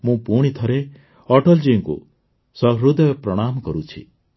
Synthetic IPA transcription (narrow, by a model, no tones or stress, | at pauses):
mũpuɽ̃it̪ʰɔɾe | ɔʈɔld͡ʒiŋkṵ | sɔɡɾud̪ɔjpɾɔɽ̃amɔkɔɾut͡ʃʰḭ